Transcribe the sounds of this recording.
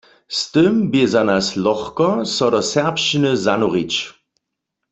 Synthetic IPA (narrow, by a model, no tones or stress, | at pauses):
st̪ɪmbezanaslɔxkɔsɔdɔsɛʁpʃt͡ʃinəzanuʁit͡ʃ